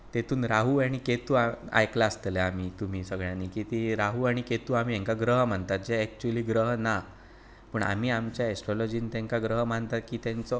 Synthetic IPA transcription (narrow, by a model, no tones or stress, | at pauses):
t̪et̪ʰuːnɾaɦuaɽ̃iket̪uːaa̰jklaəst̪əleam̤iːt̪um̤iːsəɡɭjãniːkit̪iɾaɦuaɽ̃iket̪uːam̤iːẽŋkaɡɾəɦm̤əɳt̪at̪̚d͡ʑeɛk̚t͡ɕuliːɡɾəɦna | pəɳa̰m̤iːamt͡ɕjaesʈɾɔlɔd͡ʑiːnt̪jɛ̃ŋkaɡɾəɦm̤ənt̪at̪kiːt̪jɛ̃nt͡sɔ